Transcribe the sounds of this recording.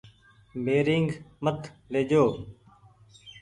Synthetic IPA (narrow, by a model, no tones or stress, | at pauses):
beːɾiŋɡmət̪ʰleːd͡ʒoː